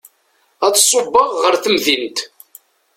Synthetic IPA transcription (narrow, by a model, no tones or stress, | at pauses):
æt͡sːsˤːobːɑʁːəɾθəmðint̪